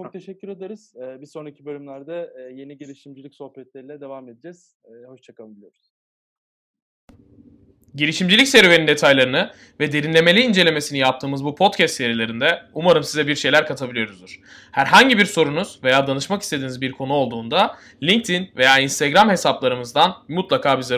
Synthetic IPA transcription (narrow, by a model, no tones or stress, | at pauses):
t͡ʃʰok̚t̪ʰeʃɛcʲːyɾed̪eɾɯz̥ɛːbisonɾacʰibølʲymlʲæɾd̪ɛje̞niɟiɾiʃimd͡ʒilʲicso̞hpɛt̪lʲeɾilʲɛd̪evaːme̞d̪id͡ʒɛz̥ | ho̞ʃt͡ʃʰakalˠɯmbilʲijoɾuz̥ | ɟiɾiʃimd͡ʒilʲicseɾve̞nind̪e̞t̪ʰajlˠaɾɯnɯ | vɛd̪e̞ɾinlʲe̞me̞lʲiːnd͡ʒe̞lʲe̞me̞sinijap̚t̪ʰɯːmɯzbupʰo̞t̪cʰɛst̪sːe̞ɾilʲe̞ɾind̪ɛumaɾɯmsizɛbiɾʃe̞jlʲæɾkʰat̪ʰabilʲijo̞ɾuzd̪uɾ̥ | hæɾɦaɲɟibiɾso̞ɾunuz̥ve̞jaːd̪anɯʃmaki̥st̪e̞d̪iːnizbiɾkʰo̞nuo̞lˠd̪uːnd̪a | lʲiɲk̚t̪ʰinve̞jaːinst̪ʰeɡɾamɦe̞saplˠaɾɯmɯzd̪anmut̪lˠakʰaːbize